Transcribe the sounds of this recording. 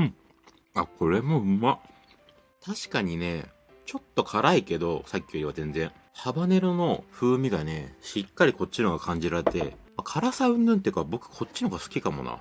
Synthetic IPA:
ɯ̟̃ɴ | akʰo̞ɾe̞mo̞ɯ̟mma | t̪ʰaɕi̥kaɲ̟ine̞ | t͡ɕo̞t̪ːo̞kʰaɾaike̞d̪o̞sakʲːooɾʲiβazẽ̞nd͡zẽ̞ɴ̃ | habane̞ɾono̞ɸɯ̟ːmʲiɡane̞ɕikːaɾʲiko̞tt͡ɕːinoɡakʰãɲ̟d͡ʑiɾaɾe̞t̪e̞̰makʰaɾasaɯ̟̃nd̪ɯ̃nt̪eɯ̟kabo̞kɯ̟̥kʰo̞tt͡ɕːinoɡasɨ̥kʲikamo̞̰na̰

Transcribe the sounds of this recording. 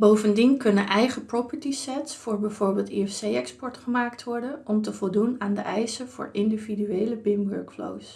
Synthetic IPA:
bowvəndinkɵnənʔɛjχəpropəɹtisɛtsfʊːɹbɛjvoːɹbɪːlˠtiɛfsejɛkspɔɹtχəmaːktʋɔɹdənɔmtəvɔlˠdunaːndə̰ʔɛjsəvʊ̰ːɹɪndividyejləbɪmʋø̰ɹkflo̰ws

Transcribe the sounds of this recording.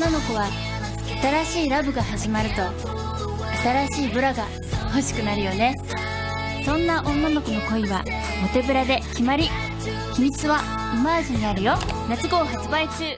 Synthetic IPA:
onːano̞kɯβ̞a | at̪aɾaɕiːɾabɯ̟ɡaɦaʑimaɾɯ̟t̪o̞ | at̪aɾaɕiːbɯ̟ɾaɡa | ho̞ɕi̥kɯ̟naɾɯ̟jo̞ne̞ | sõ̞nːaʔõ̞nːano̞kɯno̞ko̞iβa̰ | mo̞t̪e̞bɯ̟ɾad̪e̞kʲimaɾʲi | çimʲit͡sɨβa | imaːʑiɲ̟inaɾɯ̟jo̞nat͡sɨɡo̞ːɦat͡sɨbait͡ɕɨː

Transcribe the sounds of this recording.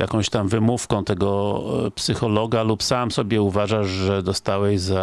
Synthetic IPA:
ja̰kɔ̃w̃ɕt̪amvɘmufkɔ̃w̃t̪ɛɡɔpsɘxɔlɔɡalupsamsɔbʲjɛuvaʐaʂʐɛd̪ɔst̪awɛjza

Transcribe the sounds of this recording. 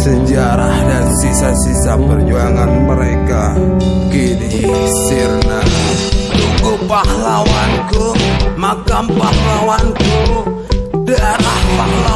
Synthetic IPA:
səɲd͡ʒaɾahnasisasisapərd͡ʒoaŋanməɾekakenisirnaduɡupahlawankumakampahlawanku | daaɾahpahla

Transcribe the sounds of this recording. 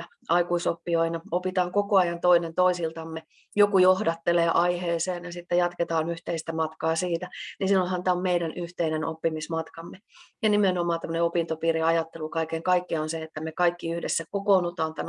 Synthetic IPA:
ɑikuisopːioinɑopit̪ɑːŋkokoɑjɑnt̪oinent̪oisilt̪ɑmːe | jokujohdɑt̪ːeleːʔɑiheːseːnjɑsit̪ːejɑt̪ket̪ɑːnyht̪eist̪æmɑt̪kɑːsiːt̪æninsinolhɑnt̪æɑommeiɾænyht̪eineno̰pːimismɑt̪kɑmːejɑnimenomɑːt̪æmːø̆neopint̪opiːriɑjɑt̪ːelukɑikeŋkɑikːionseet̪ːæmekɑikːiyhdesːækokoːnut̪ɑːnt̪æn

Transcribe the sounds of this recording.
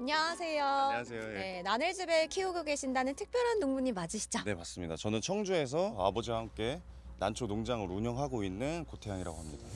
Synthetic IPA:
aɲaasʰe̞joseone̞nanɯɭd͡ʑibekʰioɡoɡe̞ɕʰindanɯntʰɯk̚p͈jʌɾɦanːoŋmuɲimad͡ʑiɕʰi̥d͡ʑone̞pas͈ɯmɲidat͡ɕʌnɯnt͡ɕʰʌŋd͡ʑue̞s̬ʰʌa̰bʌd͡ʑiamk͈e̞ | nant͡ɕʰonoŋd͡ʑaŋɯɾuɲʌŋɦaɡoinːɯnkotʰejaŋiɾa̰ɡoɦamɲida

